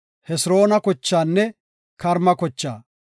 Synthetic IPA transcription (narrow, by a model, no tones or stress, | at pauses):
hɛsɾo̞ːnɐkɔt͡ʃːaːnːɛ | kɐɾmɐkɔt͡ʃːaː